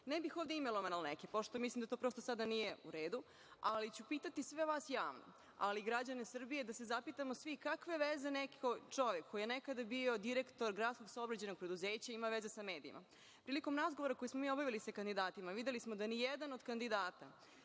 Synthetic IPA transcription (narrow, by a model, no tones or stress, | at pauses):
nɛbixoːvd̪eimeloʋanalnekipo̞ʃt̪o̞mislimd̪at̪opɾost̪osad̪anijeṵɾe̞ːd̪u | alit͡ɕupiːt̪at̪isʋeʋaːsjaːʋno̰ | a̰liɡɾad͡ʑanesr̩bije̞d̪asezapit̪amo̞sʋikakʋeʋezenekot͡ʃo̞ʋekʰːojijenekad̪abio̞d̪iɾekt̪o̞ɾɡɾat̪sko̞ɡsaobɾad͡ʑeno̞ɡ̚pɾe̞d̪uzeːt͡ɕaimaʋezesame̞ːd̪ḭḭmʔa̰ | pɾiːliko̞mɾazɡoʋoɾako̞jismomiːo̞baʋilisakand̪id̪aːt̪imaʋid̪elismod̪anijed̪anod̪kand̪id̪aːt̪a